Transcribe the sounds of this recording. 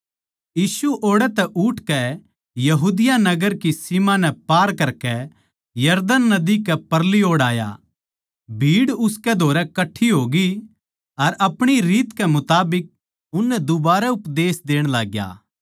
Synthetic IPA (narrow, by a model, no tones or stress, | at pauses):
jiːsuʔoːɽɛt̪ɛʔʊʈkɛ | jɐɦuːd̪ɪjanɐɡəɾkisimãnɛpaːɾkɐɾkɛ | jɐɾd̪ənːɐd̪ikɛpɐɾlioːɽaːja̰ | bʱiːɽʊskɛd̪ʱoːɾɛkɐʈʰːiɦoːɡi | ɐɾɐpɽ̃iɾiːt̪kɛmʊt̪aːbɪk̚ | ʊnːɛd̪ʊbaːɾɛʊpd̪eːsd̪eːɽ̃laːɡja̰ː